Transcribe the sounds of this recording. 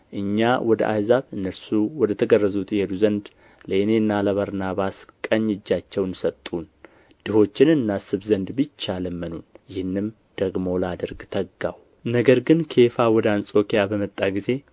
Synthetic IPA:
ʔɨɲːawɔd̪ə̰ʔa̰jzaβɨnːəɾsuwɔd̪ət̪ʰəɡərːəzut̪jɛd̪uzənd̪ | lenenːaləβəɾnaβaskʼəɲːɨd͡ʒːat͡ʃːɛwnsət̪ʼːun | d̪̥ɨho̞t͡ʃːɪnɨnːasɨβzənd̪bɨt͡ʃːaləmːənunjɪhnːɨm | d̪̥əɡmo̞ləad̪əɾɡt̪ʰəɡːaw | nəɡəɾɡɨnkʰe̞fawɔd̪əansʼo̞kijabəmət̪ʼːaɡize̞

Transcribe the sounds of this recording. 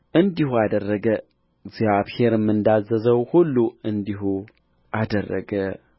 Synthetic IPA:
ʔɨnd̪ihuad̪ərːəɡə | ɨɡzijaβhe̞ɾɨmːɨnd̪azəzəwhulːuɨnd̪iɦu | ʔad̪ərːə̰ɡə

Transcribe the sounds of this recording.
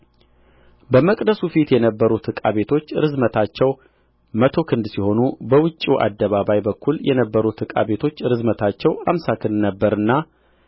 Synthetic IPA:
bəməkʼd̪əsufit̪jɛnəbːəɾut̪ʰɨkʼa̰βe̞t̪ʰo̞t͡ʃːɾɨzmət̪ʰat͡ʃːɛw | mət̪ʰo̞kʰɨnd̪siho̞nubəwʊt͡ʃʼːiʔa̰d̪ːəβaβajbəkːuljɛnəbːəɾut̪ʰɨkʼa̰βe̞t̪ʰo̞t͡ʃːɾɨzmət̪ʰat͡ʃːɛwa̰msakʰɨnd̪nəbːəɾɨnːa

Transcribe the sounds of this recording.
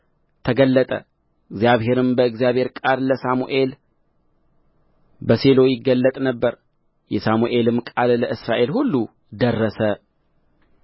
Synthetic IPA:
t̪ʰəɡəlːət̪ʼə̰ | ɨɡzjaβhe̞ɾɨmbəɨɡzijaβhe̞ɾkʼaɾləsamuʔe̞l | bəse̞lo̞jɪɡːəlːət̪ʼnəbːəɾ | jɛsamuʔe̞lɨmkʼalləʔɨsɾaʔe̞lhulːu | d̪ərːəsə

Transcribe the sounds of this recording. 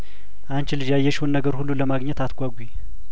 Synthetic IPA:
ʔant͡ʃɪlɨd͡ʒajɛʃhonːəɡəɾhulːuləmaɡɲɛt̪at̪ɡʷaɡʷwi

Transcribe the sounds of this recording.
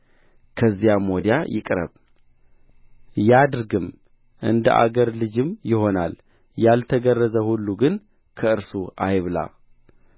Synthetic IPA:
kʰəzːijamod̪ja̰jɪ̰kʼɾə̰β | jad̪ɾɡɨm | ʔɨnd̪ə̰ʔa̰ɡəɾlɨd͡ʒɨmjɪho̞nal | jalt̪ʰəɡərːəzəhulːuɡɨn | kʰəɨɾsuʔajβla̰

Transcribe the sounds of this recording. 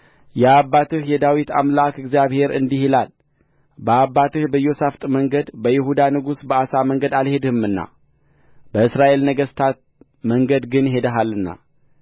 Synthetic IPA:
jɛabːat̪ʰɨhjɛd̪awit̪a̰mlakɨɡzjaβhe̞ɾɨ̰nd̪ihilal | bəabːat̪ɨhbəjo̞saft̪ʼməŋɡəd̪bəjɪɦud̪anɨɡusbəasaməŋɡəd̪alhe̞d̪ɨhɨmɨnːa̰ | bəɨsɾaʔe̞lnəɡəst̪ʰat̪̚ | məŋɡəd̪ɡɨnhe̞d̪əɦalːɨnːa̰

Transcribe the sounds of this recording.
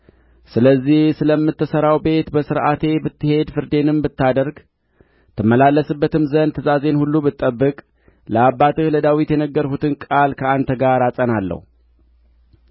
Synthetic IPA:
sɨləzːihsɨləmːɨt̪ːɨsəɾawbe̞t̪bəsɨɾʔat̪ʰe̞bɨt̪ːɨhe̞d̪fɨɾd̪e̞nɨmbɨt̪ːad̪əɾɡ | t̪ʰɨməlalːəsɨbːət̪ɨmzənt̪ʰɨzaze̞nhulːubɨt̪ʼːəbːɨkʼ | ləabːat̪ɨhləd̪awit̪jɛnəɡːəɾhut̪ʰɨnkʼalkʰəant̪ɡaɾasʼənalːə̰hu

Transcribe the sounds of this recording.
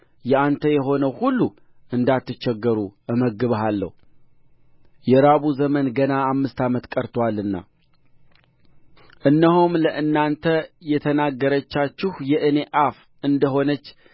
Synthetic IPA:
jɛant̪ʰəjɛɦo̞nəwhulːu | ʔɨnd̪at̪ːɨt͡ʃːɛɡːəɾuʔɨməɡɨβɦalːə̰hu | jɛɾaβuzəmənɡənaːmːɨst̪ʰamət̪kʼəɾt̪ʰwalɨnːa̰ | ʔɨnːəhomləʔɨnːant̪ʰəjɛt̪ʰənaɡːəɾət͡ʃːat͡ʃːɪhjɛʔɨne̞ʔaf | ʔɨnd̪əɦo̞nət͡ʃː

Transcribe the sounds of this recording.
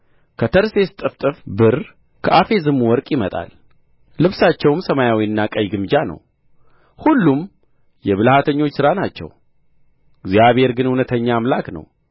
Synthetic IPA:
kʰət̪ʰəɾse̞st̪ʼɨft̪ʼɨfbɨɾ | kʰəʔafe̞zɨmːuwɔɾkʼjɪmət̪ʼa̰l | lɨβsat͡ʃːɛwmsəmajawiɨnːakʼəjɡɨmd͡ʒanə̰w | hulːum | jɛβɨlhat̪ʰəɲːo̞t͡ʃːsɨɾanat͡ʃːɛ̰w | ɡzijaβhe̞ɾɡɨnhunət̪ʰəɲːaːmlaknə̰w

